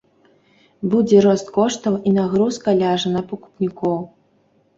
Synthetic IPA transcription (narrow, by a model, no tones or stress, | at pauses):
bud͡zʲɛɾɔst̪̚kɔʂt̪ɐwinaɣɾuskɐlʲaʐɐnɐpɐku̥pnʲikɔw